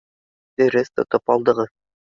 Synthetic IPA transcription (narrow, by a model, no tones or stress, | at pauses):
d̪̥ɘ̆ɾɘst̪ŏ̰t̪ɤpɑlˠd̪ɤ̆ʁɤ